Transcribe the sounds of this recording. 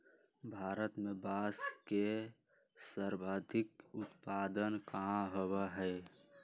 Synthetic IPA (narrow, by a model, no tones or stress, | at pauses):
bʱaːɾət̪mebaːske | səɾbʱaːd̪ʱɪkʊt̪paːd̪ənkaɦowaɦɛ